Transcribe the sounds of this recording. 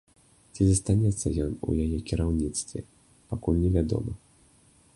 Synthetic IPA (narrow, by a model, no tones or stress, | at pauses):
t͡sʲizɐst̪anʲɛt̪sːɐjɔnṵjajɛkʲiɾawnʲit̪st̪vʲɛ̰ | pakulʲnʲɛvʲad̪ɔ̰mɐ